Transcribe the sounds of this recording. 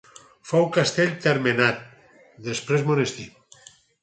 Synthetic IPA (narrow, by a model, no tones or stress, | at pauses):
fawkast̪eʎʲt̪eɾmenat̪̚ | d̪espɾezmonest̪i